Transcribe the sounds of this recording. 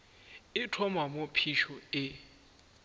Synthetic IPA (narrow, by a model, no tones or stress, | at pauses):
ɪtʰɔmamopʰiʃɔɪ